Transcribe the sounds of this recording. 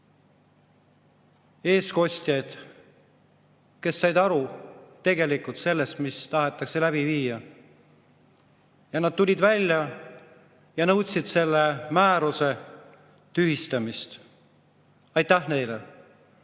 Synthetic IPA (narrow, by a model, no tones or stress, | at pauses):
e̞ːsko̞sʲt̪jɑjd̪̥ | ke̞sːɑjd̪ɑɾut̪e̞ɡe̞likˑult̪se̞lːe̞st̪mist̪ɑɦet̪ːˑɑkse̞læb̥iviːjɑ | jɑnɑd̪̥̚t̪ulʲid̪vælʲːjɑ | jɑnɤwt̪sid̪̥se̞lːemæːɾuse̞ | t̪yhist̪ɑmist̪ | ɑjt̪ːæhne̞jlḛ